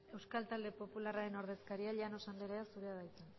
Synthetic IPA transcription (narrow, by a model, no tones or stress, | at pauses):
e̞wskalt̪ald̪e̞po̞pularaɾe̞no̞ɾð̞e̞skaɾiaʎeanosanleɾeasuɾeaðajt͡sen